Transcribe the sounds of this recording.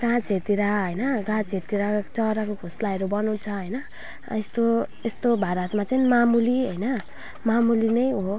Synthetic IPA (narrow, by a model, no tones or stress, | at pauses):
ɡãd͡zʱɦeɾt̪iɾaɦʌjnʌɡãd͡zʱeɾt̪iɾat͡sʌɾakoɡʱoslaeɾobʌnuw̃t͡sʰʌɦʌjnʌ | est̪oest̪obʱaɾʌt̪mat͡sʌjnimamuliɦʌjnʌ | mamulinʌjɦo